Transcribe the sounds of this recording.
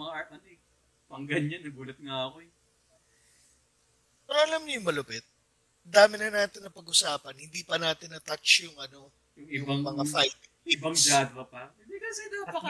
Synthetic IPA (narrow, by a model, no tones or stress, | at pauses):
ɐɐnoɛ | pɐŋɡɐɲɐnːɐɡuːlɐt̪̚ŋaɐkoɛ | pɛɾɐʔɐlamɲʊjʊŋmɐlʊpɛt̪̚ | d̪aːmɪnɐnaːt̪ɪnːɐpɐɡʔʊsaːpɐnhɪnd̪iːpɐnaːt̪ɪnːɐt̪at͡ʃjʊŋʔɐno̞ | jʊŋɪʊŋbaŋmɐŋafajt̪̚ | ɪbaŋd͡ʒaːd̪ɐpɐ | d̪ikɐsɛnapɐkɐ